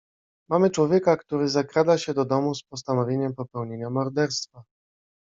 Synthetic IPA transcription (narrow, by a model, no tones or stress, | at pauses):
mamɘt͡ʂwɔvʲjɛkakt̪uɾɘzakɾad̪aɕɛd̪ɔd̪ɔmuspɔst̪anɔvʲjeɲɛmpɔpɛwɲeɲamɔɾd̪ɛɾst̪fa